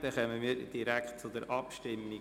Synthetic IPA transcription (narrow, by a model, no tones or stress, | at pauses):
d̥ɛχœməmiːɾd̥iɾækχt̚t͡sʊdəɾʔɑpʃtɪmːi